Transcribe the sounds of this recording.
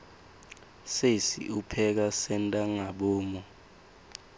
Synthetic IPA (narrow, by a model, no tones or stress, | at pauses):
sesḭupʰɛk̬asɛntʼaŋaɓɔːmɔ